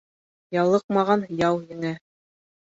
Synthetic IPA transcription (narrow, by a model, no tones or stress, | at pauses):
jɑlˠɤq̚mɑʁɑnjɑwjɘ̆ŋæ